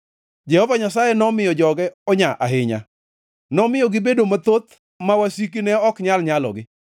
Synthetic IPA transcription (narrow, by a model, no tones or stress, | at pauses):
d͡ʒɛhɔvaɲasajɛnɔmɪjɔd͡ʒɔɡɛɔɲaʔaɦɪɲa̰ | nɔmɪjɔɡɪbedomat̪ot̪ | mawasik̬inɛɔkɲalɲalɔ̰ɡɪ